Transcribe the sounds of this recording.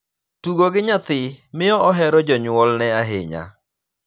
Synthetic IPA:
tuɡoɡɪɲat̪ɪmɪɔɔɦɛɾɔd͡ʒɔɲwɔlnɛaɦɪ̰ɲa̰

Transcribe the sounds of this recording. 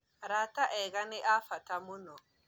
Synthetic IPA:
ɾataʔɛɣanɪʔafatamʊnɔ

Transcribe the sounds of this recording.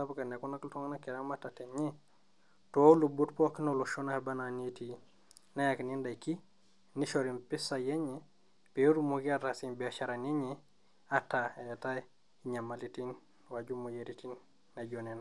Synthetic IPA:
apkanekunakltoŋnakeɾambatatenɲe | tolubutpokinoloʃonabananeti | najakinendajki | niʃoɾimpisajeɲe | peɾumukiatasinbiaʃaɾaneɲe | ataeta | iɲamalitin | waɟumujeɾitinː | aɟonena

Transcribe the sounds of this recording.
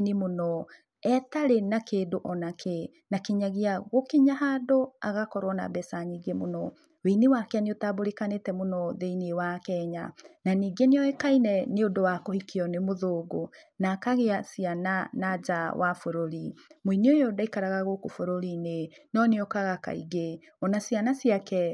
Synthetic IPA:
nemonɔ | ɛtaɾenakeːdoʔɔnakʰe | nakeɲaɣeaɣokeɲaɦadoaɣakɔɾwɔna̰bɛsaniɡemonɔ | wenewakeaneotaboɾekanetɛmonɔðeinewakɛɲa̰naniɡeneɔɛkainɛneodowakohikiɔnemoðoːɡonakaɣeasiananad͡ʒawʔa̰foɾoɾimoineojodaikaɾaɣaɣokofoɾoɾinenɔneɔkaɣaka̰ḭɣe | ɔnasianasiakɛ

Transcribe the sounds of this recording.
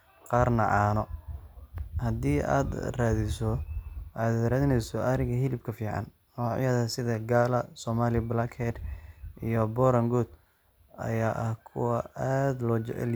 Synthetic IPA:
qɑːrnɐ̰ʕɑːnɔ | hɐd̪iːa̰ːd̪raːðɪsɔʔad̪raːðɪnɛjsɔʔɐɾɪɣɐɦɪlɪbkʰɐfiːʕɑ̰n | nɔːʕ̰jaːðɐsɪðɐɡaːlɐsɔːmaːlɪblakʰɛrʔijɔbɔːɾɐŋɡɔːd̪ | ɐ̰jaːʔɐhkʰʊ̰wɑaːd̪lɔ̰l

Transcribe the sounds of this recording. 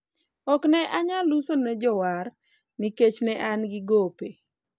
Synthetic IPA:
ɔknɛʔaɲalusonɛd͡ʒɔwar | niket͡ʃnɛʔanɡɪɡope

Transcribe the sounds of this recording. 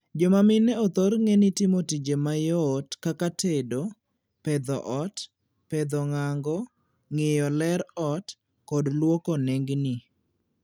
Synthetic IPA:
d͡ʒɔmamɪnɛɔt̪ɔɾŋɛnɪtɪmotid͡ʒemajɔtkakatʰedo | pɛd̪ɔʔɔt | pɛd̪ɔŋaŋɡɔ | ŋɪjɔlɛɾɔt | kɔdlwɔkɔnɛŋɡnɪ

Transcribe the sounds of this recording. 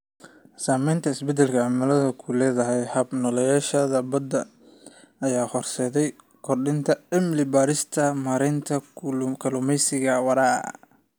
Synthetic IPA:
saːmɛjnt̪ʰɐɪsbɛd̪ɛlkʰɐʕamɪlɐðɐkʰʊlɛːðɐɦɛjhɐbnɔlɛjaːʃɐðɐbɐd̪ɐ | ʔɐjaːhɔrsɛːðɛj | kʰɔrɖɪnt̪ʰɐɛmlɪbaːɾɪst̪ʰɐmaːɾɪnt̪ʰɐkʰɐlʊmɛjsɪɣɐwɐɾaː

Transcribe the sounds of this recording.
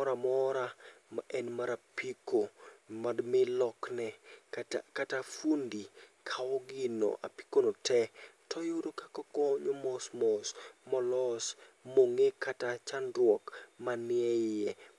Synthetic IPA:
ɔɾamɔɾamaʔɛnmaɾapikomadmɪlɔknɛktakatafundikʰaɔɡɪno̰ʔa̰pi̥konotʰɛtʰɔjoɾokḁkɔkɔɲomɔsmɔsmɔlɔsmoŋekʰatat͡ʃandɾwɔkmanɪɛɛ

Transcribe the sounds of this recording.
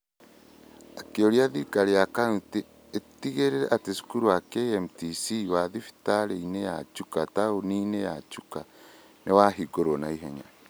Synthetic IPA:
akeoɾiaðikaɾejakauteː | tiɣeɾeɾɛʔatesu̥kuɾuakeɛmtisiwaðifi̥taɾeineja̰t͡ʃukataoninejat͡ʃuka | newaɦiɡoɾonaiɦɛɲa̰

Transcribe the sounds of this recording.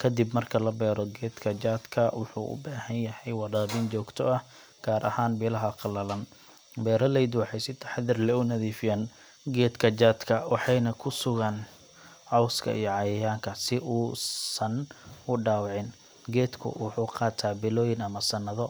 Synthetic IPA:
kʰɐd̪ɪbmɐrkʰɐlɐbɛːɾɔɡɛːd̪kʰɐd͡ʒaːd̪kʰɐwʊħṵːʔʊ̰baːhɐnjɐhɛjwɑðaːβint͡ʃɔːɡt̪ʰɔɐh | ɡ̥aːɾʔɐ̰haːnbɪlɐɦɐqɑlɐlɐn | bɛːɾɐlɛjd̪wɑħɑjsɪt̪ʰɐ̥ħðɪrlɛʊnɐðiːfɪjaːn | ɡɛːd̪kʰɐt͡ʃaːd̪kʰɐwɑħɑjnɐkʰʊsʊɣɐn | ʕɔwskʰɐ̰ʔḭjɔʕɑjɐjaːŋkʰɐsɪʔuːsɐnʊɖaːwʕɪn | ɡɛːd̪kʰʊ̰wʊħuːqɑːt̪ʰaːbɪlɔːjɪnɐmɐsɐnɐðɔ

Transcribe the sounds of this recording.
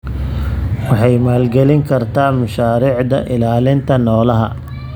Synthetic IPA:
wɑħɑjmaːlɡɛlɪŋkʰɐrt̪ʰaːmʊʃaːɾiːʕd̪ɐ̰ʔɪlaːlɪnt̪ʰɐnɔːlɐɦɐ̰

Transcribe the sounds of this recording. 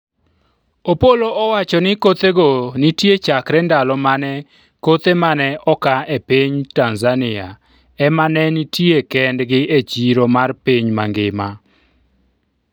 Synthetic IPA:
opoloʔɔwat͡ʃɔnɪkot̪eɡonitjet͡ʃakɾɛndalɔmanɛ | kot̪emanɛʔɔkaepiɲtanzanɪa | ɛmanɛnitjekɛndɡɪʔet͡ʃiɾomarpiɲmaŋɡɪma

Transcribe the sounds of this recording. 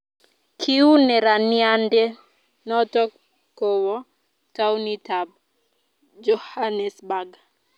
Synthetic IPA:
kʰiunɛɾaniandɛ | nɔtɔ | kowɔ | tawnitab̚ | d͡ʒɔhanɛsbaɡa

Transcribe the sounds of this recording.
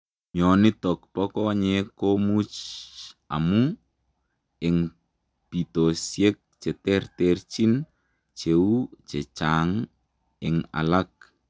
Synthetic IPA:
mɔnɪtɔkpɔkɔɲekomut͡ʃ | a̰mu | ɪŋ | pitosjek̚t͡ʃɛtɛrtɛrt͡ʃin | t͡ʃeut͡ʃet͡ʃaŋ | ɪŋa̰lak̚

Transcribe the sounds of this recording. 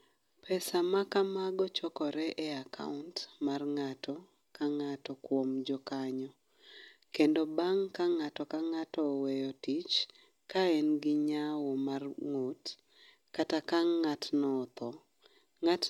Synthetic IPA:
pʰɛsamakamaɡɔt͡ʃɔkɔɾɛʔeakʰa̰ʊntmarŋatɔ | kaŋatɔkwomd͡ʒɔkaɲɔ | kendobaŋkaŋatɔkaŋatɔwejɔtit͡ʃ | kaenɡɪɲawɔmarŋot | katakaŋːatnɔt̪ɔ | ŋat

